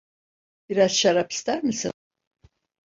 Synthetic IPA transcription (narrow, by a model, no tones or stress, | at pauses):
biɾazʃaɾapʰi̥st̪ʰæɾmisḭn